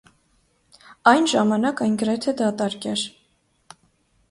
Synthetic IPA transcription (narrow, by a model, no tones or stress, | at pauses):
ɑjnʒɑmɑnɑkɑjnɡəɾɛt̪ʰɛd̪ɑt̪ɑɾkɛɾ